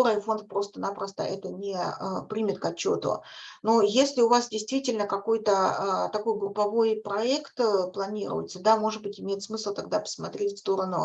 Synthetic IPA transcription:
oɾɨjfo̞nt̪̚pɾo̞st̪ənapɾəst̪ə̰ʔɛt̪ənʲɪəpɾʲimʲɪt̪kɐt͡ɕːo̰t̪ʊ̰nojesʲlʲɪʊvasdʲɪjst̪vʲitʲɪlʲnəkɐkojt̪əət̪ɐko̞jɡɾʊpɐvo̞jpɾɐɛkt̪plˠɐnʲiɾʊ̰jɪ̰t̪səd̪amo̞ʐɨd̪bɨtʲɪmʲejɪt̪smɨslˠt̪ɐɡ̚d̪apə̥smɐt̪ɾʲetʲfst̪o̞ɾənʊ̰

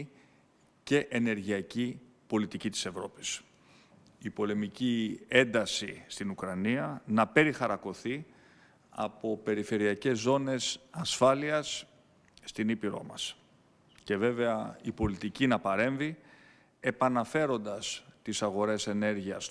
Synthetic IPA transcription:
ce̞ʔene̞ɾʝiɐci | po̞lit̪icit̪i̥sevɾo̞pi̥s | ipo̞le̞micie̞nd̪ɐsist̪inukɾɐniɐnɐpe̞ɾixɐɾɐko̞θi | ɐ̰po̞pe̞ɾife̞ɾiɐce̞zːo̞ne̞sɐsfɐliɐsː | t̪inipiɾo̞̰mɐ̰s | ce̞ve̞ve̞ɐipo̞lit̪icinɐpɐɾe̞ɱvi | e̞pɐnɐfe̞ɾo̞nd̪ɐst̪isɐɣo̞ɾe̞se̞ne̞ɾʝiɐs

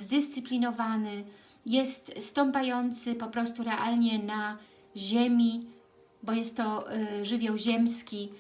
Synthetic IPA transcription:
zd̪ɘst̪sɘpʲlʲinɔvanɘ | jɛst̪st̪ɔmpajɔnt̪sɘpɔpɾɔst̪uɾɛʔalɲɛna | ʑemʲi | bɔjɛst̪ːɔʐɘvʲjawʑɛmskʲi

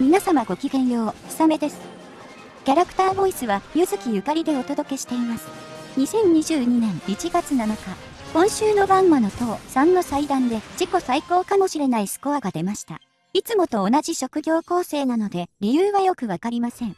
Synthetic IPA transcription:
mʲinasamaɡo̞kʲiɡẽ̞ɰ̃jo̞ːi̥same̞d̪e̞sɨ̥ | kʲaɾakɯ̥t̪aːbo̞isɨβajɯzɨkʲijɯ̟kaɾʲid̪e̞o̞t̪o̞d̪o̞ke̞ɕi̥t̪e̞imasɨ̥ | ɲ̟isẽ̞ɲ̟ɲiʑɨːɲ̟inẽ̞ŋit͡ɕiɡat͡sɨnanoka | kõ̞ɰ̃ɕɨːno̞bãɰ̃mano̞t̪o̞ːsãnːo̞said̪ãnd̪e̞d͡ʑiko̞saiko̞ːkamo̞ɕiɾe̞naisɨ̥ko̞aɡad̪e̞maɕi̥t̪a̰ | it͡sɨmo̞t̪o̞ːnad͡ʑiɕo̞kɯ̟ɡʲo̞ːko̞ːse̞ːnano̞d̪e̞ɾʲijɯːβajo̞kɯ̟βakaɾʲimasẽ̞ŋ

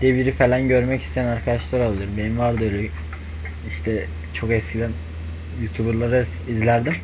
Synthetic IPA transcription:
d̪ibiɾifelʲanɟøɾmɛcʰi̥st̪ʰejænaɾkʰad̪aʃlˠaɾalˠɯɾmbe̞nimvaɾd̪ɯøjlʲɛ | iʃt̪ʰɛ | t͡ʃʰo̞kɛscʰilʲæn | jut̪ʰubuɾlˠaɾa | izlʲæɾd̪im

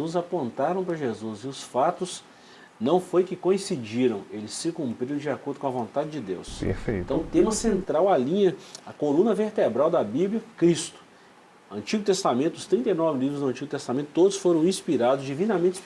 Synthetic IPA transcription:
uzɐpõnt̪aɾɐ̃w̃pɾɐʒezuzɪʊsfat̪ʊs | nɐ̃w̃fojkɪkõĩsid͡ʒiɾɐ̃w̃elɪsɪkũmpɾiɾ̃d͡ʒɪakoɾd̪ʊkõɐvõnt̪ad͡ʒɪd͡ʒɪd̪ḛwspḛfḛ̃jt̪ɐ̃w̃t̪ẽmɐsẽnt̪ɾawɐlĩɲɐɐkolũnɐveɾt̪ebɾawd̪ɐbibljɐkɾist̪ʊ̥ | ɐ̃nt͡ʃiɡʊt̪est̪amẽnt̪ʊst̪ɾĩnt̪ejnɔvɪlivɾʊzd̪ʊɐ̃nt͡ʃiɡʊt̪est̪amẽt̪ʊ̥t̪od̪ʊsfoɾɐ̃w̃ĩspiɾad̪ʊzd͡ʒivĩnɐmẽnt͡ʃɪ

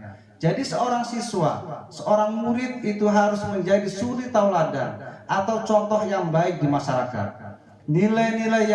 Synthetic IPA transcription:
d͡ʒadisəoɾaŋsiswa̰səoɾaŋmuɾɪt̪̚it̪uɦaɾʊsməɲd͡ʒadisulit̪auŋlada̰nʔat̪awt͡ʃɔnt̪ɔhjaŋbaɪk̚dimaʃaɾaka̰t̪̚ | nilajnilaj

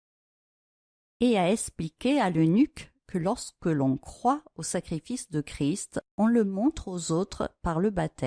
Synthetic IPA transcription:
eaɛsplikʲealənyk | kːəlɔʁskəlɔ̃kχwaosakχifisd̪əkχist̪ɔ̃ləmɔ̃t̪χozot̪χə̰paʁləbat̪ɛ

